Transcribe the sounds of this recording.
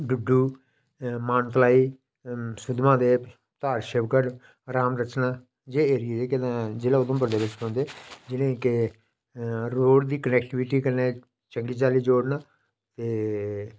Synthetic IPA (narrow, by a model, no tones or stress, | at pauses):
ɖʊɖːuː | maːnt̪əlaːiː | sʊd̪mãːd̪eː | t̪aːɾʃɪbkəɾ | ɾaːmɾət͡ʃnãː | d͡ʒeːeːɾɪed̪eːkɪd̪ãːd͡ʒɪːlãod̪õːp̬əɾd̪eːbɪt͡ʃkɔ̃ːnd̪eːd͡ʒɪnẽːkɪ | ɾoːɽd̪iːkənɛːkʈɪʋɪʈiːkəɾneː | t͡ʃəŋɡiːt͡ʃaːliːd͡ʒoːɽnaː | t̪eː